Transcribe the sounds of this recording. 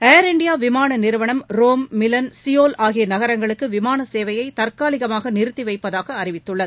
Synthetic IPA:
eːɾɪɳɖɪjaːʋɪmaːnɐnɪɾɯʋɐɳɐmɾoːmːɪlɐnsɪjoːlaːɣɪjɐnɐɣɐɾɐŋɡɐɭɯkːɯʋɪmaːnɐseːʋɐjɐɪt̪ɐrkaːlɪɣɐmaːɣɐnɪɾɯt̪ːiʋɐɪpːɐðaːɣɐːɾɪʋɪt̪ːɯɭːɐð

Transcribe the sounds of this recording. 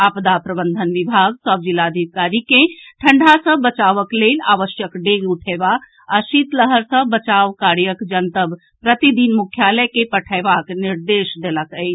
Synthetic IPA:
apd̪apɾəbənd̪ʱənʋibʱaɡ̚səb̚d͡ʒilːad̪ʱikaɾikeʈʰəɳɖʱasə̃bət͡ʃaʋəklela̰ʋəʃjəkɖeɡuʈʰebak | asit̪ləɦəɾsə̃bət͡ʃaʋkaɾjəkd͡ʒənt̪əb | pɾət̪id̪inmukʰjaləkepəʈʰəɪbakniɾd̪eʃd̪eləkəjt͡ʃʰ

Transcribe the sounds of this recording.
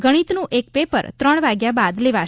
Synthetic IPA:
ɡəɽ̃it̪nũʔek̚pepə̰ɾt̪ɾəɳʋaɡjabad̪leʋa

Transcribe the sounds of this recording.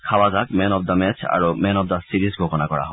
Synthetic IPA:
kʰawazakmɛnɔb̚d̪amɛt͡ɕʰa̰ɹomɛnɔb̚d̪asiɾizɡʱokɔnakɔɹa̰ɦɔ

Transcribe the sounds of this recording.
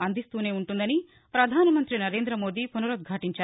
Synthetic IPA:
ɐnd̪ist̪uːne̞ːuɳʈund̪ɐni | pɾɐd̪ʱaːnɐmɐnt̪ɾinɐɾe̞ːnd̪ɾɐmo̞ːd̪iːpunuɾɐd̪̚ɡʱɐʈiɲt͡ʃaː

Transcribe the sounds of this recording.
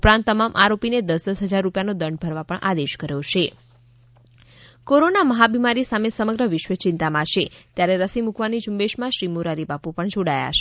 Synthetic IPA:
pɾãnt̪ːəmamʔaɾopined̪əsəsɦəd͡ʒaɾːupjanod̪əɳɖ̚bʱəɾʋapəɳʔad̪eʃkəɾjot͡ʃʰe | koɾonaməɦabimaɾisamesəməɡɾəʋɪʃʋət͡ʃɪ̃nt̪amãʃet̪jaɾeɾəsimukʋanid͡ʒumbeʃmãʃɾimuɾaɾibapupəɳd͡ʒoɽaja̰t͡ʃʰe

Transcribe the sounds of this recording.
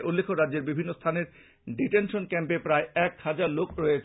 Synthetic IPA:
ʔulːekʰoɾadd͡ʑːeɾbibʱinːost̪ʰaneɾ | ɖiʈenʃonkɛmpepɾaeɛkhad͡ʑaɾlokɾoet͡ɕʰ

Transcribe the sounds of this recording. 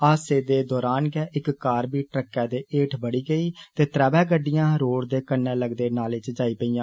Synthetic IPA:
aːseːd̪eːd̪ɔːɾaːnɡɛːʔɪkkaːɾbiːʈɾəkːɛːd̪eːʔeːʈʰbəɽiːɡəiːt̪eːt̪ɾɛːbɛːɡəɖɪjãːɾoːɽd̪eːkənːɛːləɡd̪eːnaːlɪt͡ʃd͡ʒaːiːpəiːjãː

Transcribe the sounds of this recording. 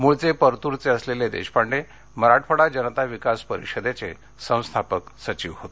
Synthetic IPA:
moɭt͡sepəɾt̪uɾt͡seəsleled̪ḛɕpaɳɖe | məɾaʈfəɽad͡ʑənət̪aʋikaspəɾḭʂəd̪at͡sḛ | sə̃w̃st̪ʰapəksət͡ɕiːʋɦot̪e̥

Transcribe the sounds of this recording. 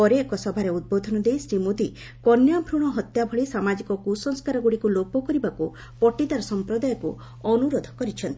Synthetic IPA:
ɔɾeːkɔsɔbʱaɾeud̪̚bod̪ʱɔnɔd̪ejsɾimod̪i | kɔnjabʱɾuɽ̃ɔɦɔt̪jabʱɔɭisamad͡ʒikɔkusɔŋskaɾɔɡuɽikulopɔkɔɾibaku | pɔʈid̪aɾɔsɔmpɾɔd̪ajɔku | ɔnuɾod̪ʱɔ̥kɔɾit͡ʃʰɔnt̪i̥

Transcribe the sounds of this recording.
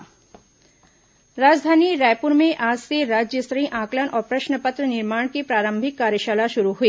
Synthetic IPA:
ɾaːd͡ʒd̪ʱaːniɾɛːjpuɾmẽʔaːd͡ʒseɾaːd͡ʒjəsɾəĩʔãːklənʔɔːɾpɾəʃnəpət̪ɾənɪɾmaːɳ̃kipɾaːɾə̃mbʱɪkːaːɾjəʃaːlaʃuɾuɦuiː

